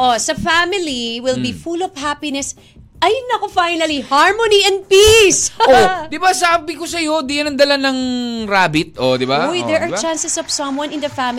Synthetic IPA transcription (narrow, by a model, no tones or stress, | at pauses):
ʔosɐfamɪliwɪlbifulɔvhapinɛs | ʔɐjnɐkofajnɐlihaɹmoniʔɛ̃nd̪̚pisod̪ɪbasaːbɪkosɐjo̞d̪iɐnɐnd̪ɐlanɐŋɾaːbɪt̪̚ʔod̪ɪbajd̪ɛɹʔɐt͡ʃãnsɛsɔv̥sɐ̃mwɐ̃nɪ̃nd̪ɐfamɪ